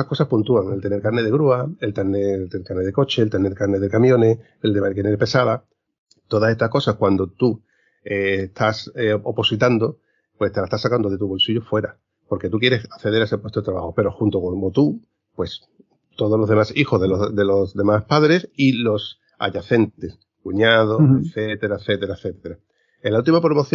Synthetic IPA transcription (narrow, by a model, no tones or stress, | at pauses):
ako̞sapunt̪uaŋe̞lt̪e̞ne̞ɾkaɾne̞ð̞eɣɾuaelt̪aɾnelt̪ekaɾneðe̞ko̞t͡ʃe̞lt̪e̞ne̞ɾkaɾneðekamjõ̞ne̞ | eld̪emakeneɾpe̞saða | t̪o̞ðase̞st̪ahko̞sakwand̪o̞t̪u | est̪ʰaseopo̞sit̪and̪o̞ | pweset̪elae̥t̪asakand̪oet̪uβo̞lsiʝofweɾa | po̞ɾke̞t̪uk̬je̞ɾe̞sakθe̞ð̞e̞ɾaesepwet̪oet̪ɾaβa̰hope̞ɾo̞xunt̪okoŋot̪u | pwe̞s | t̪o̞ð̞olo̞ɦðe̞masixoðeloðelozðe̞maspaðɾe̞silo̞s | a̰ʎaθe̞nt̪e̞s | kuɲað̞oeθet̪e̞ɾaeθe̞t̪e̞ɾaeθe̞t̪eɾa | enlːault̪̬imapɾomo̞θj